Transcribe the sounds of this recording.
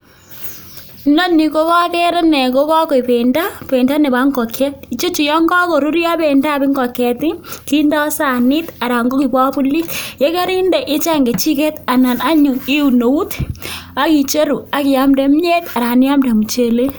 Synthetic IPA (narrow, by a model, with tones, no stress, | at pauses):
nɔ˦ni˨ko˦ka˦kɛ˦ɾɛ˦nɛ˨ko˦ka˦kɔ˨i˨pe˨nda˦pe˨nda˦ne˨ba˦ŋɡɔ˨kʰɛ˦t̚i˨t͡ʃo˦t͡ʃi˨jɔ˦ŋɡɔ˦kɔ˨ɾu˦ɾja˦be˨nda˦˨bi˦ŋɡɔ˨kɛ˨ti˦ki˦nda˦sa˦˨ni˦ta˨ɾa˨ŋɡo˦ki˨bwa˦pu˦li˦tje˦ka˦ɾi˦ndɛ˨ʔɪ˦t͡ʃa˦ŋɡe˨t͡ʃi˦ke˦ta˨na˨na˦ɲu˨i˦u˨no˨u˦ta˦ki˨t͡ʃe˦ɾu˨a˨kɪ˨a˨˦mde˨˦m˦ɲe˦ta˨ɾa˨ni˦ja˦mda˨mu˨t͡ʃe˨le˦